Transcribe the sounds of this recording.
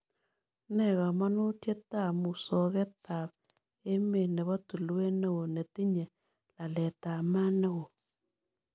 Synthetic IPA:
ne˦˨ɣa˨ma˦no˦tje˦ta˦˨mu˨so˨ɣe˦ta˨β̚ | e˦me˨ne˨βɔ˦tu˨lwe˦ne˦ɣo˨ne˨ti˦ɲe˨ | la˨le˨ta˨ma˦ne˦ɣo˨

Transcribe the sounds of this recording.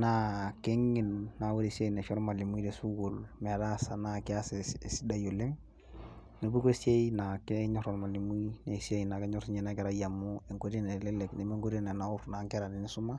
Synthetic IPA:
na˦ke˦ŋɪ˨nːa˨wo˦ɾe˨sja˦i˨ne˨fɛ˦ɾma˨li˨m˦i˦ɾe˨su˦ɡo˨lmɛ˨ɾa˦sa˨na˦kɪ˦a˦ssi˦da˦jo˨le˦ŋ | no˨bu˦ko˦sja˦ina˨kɛ˦ɲɔ˦ɾɔ˨lma˨li˨mwi˦ne˨sja˦i˨na˨kɛ˦ɲɔ˦ɾsi˦ɲɛ˨na˦kɛ˨ɾa˦ja˨mʊ˦e˨ŋko˦ɾe˦ne˨lɛ˦lɛ˨kne˨me˦ŋɡo˦ɾe˦na˨na˨˦ʊ˦ɾna˨˦ŋkɛ˦ɾa˨nɪ˨nɪ˦sʊ˦ma˦

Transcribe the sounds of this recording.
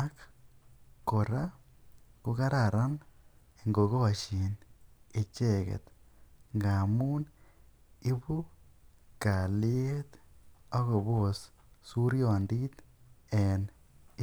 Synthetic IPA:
a˦k | ko˨ɾa˦ | ko˦ka˦ɾa˨ɾa˦n | e˨ŋɡo˨ɣo˦wa˨t͡ʃi˨ne˨t͡ʃe˦˨kḛ˨t̪ŋɡa˨mu˦n | i˦βu˦ | ka˨lɪ˦e˦t̪a˦ɣo˨βo˦s | su˦ɾjo˨ndi˦t̪e˨n˦

